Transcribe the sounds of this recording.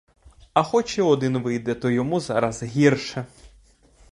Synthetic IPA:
ɐxɔt͡ʃɛɔd̪ɪnʋɪjd̪ɛt̪ɔjɔmuzɑɾɐzɦʲirʃɛ

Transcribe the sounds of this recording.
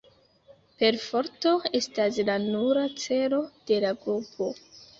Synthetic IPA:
pe̞ɾfo̞ɾto̞e̞staslanuɾat͡se̞lo̞d̥e̞laɡɾupʰo̞

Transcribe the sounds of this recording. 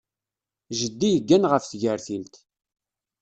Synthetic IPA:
ʒəd̪ːijəɡːænʁəfθʝəɾθilt̪

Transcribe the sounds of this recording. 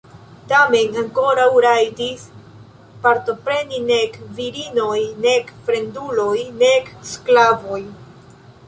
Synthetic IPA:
tame̞naŋko̞ɾawɾajtis | paɾto̞pɾe̞nine̞kviɾino̞jne̞kfɾe̞ndulo̞jne̞ksklavoj

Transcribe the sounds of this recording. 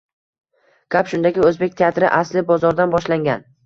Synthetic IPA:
kʲapʃʊnd̪aɡʲɪɵzbe̞k̚ʲt̪ʰeat̪ɾɪʔaslɪbɒzɒɾd̪anbɒʃlaŋɡʲan

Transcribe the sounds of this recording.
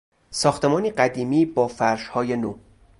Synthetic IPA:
sɒːxt̪ʰe̞mɒːniːɢæd̪iːmiːbɒːfæɾʃhɒːje̞noː

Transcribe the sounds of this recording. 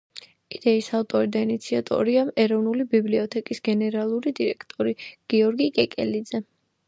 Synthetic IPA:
id̪̥ɛisaft̪ʼɔɾid̪ainit̪sʰiat̪ʼɔ̰ɾiamɛɾɔvnulibibliɔt̪ʰɛkʼisɡɛnɛɾalˠuɾid̪iɾɛkʰt̪ʼɔɾiɡ̥iɔɾɡikʼɛkʼɛ̰lid̪zɛ

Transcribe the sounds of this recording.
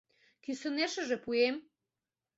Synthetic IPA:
k̪isə̆neʃə̆ʒĕpuem

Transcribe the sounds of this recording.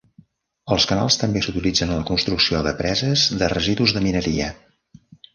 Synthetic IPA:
əlˠskəna̰lˠst̪əmbesut̪ilid͡zənləkunst̪ɾuksioðəpɾɛzəzðərəziðuzðəminəɾiə̰

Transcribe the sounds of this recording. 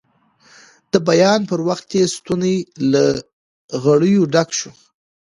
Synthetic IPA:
d̪̥əbajɑnpəɾwaxt̪jest̪unela | ɣaɽəjoɖakʃu

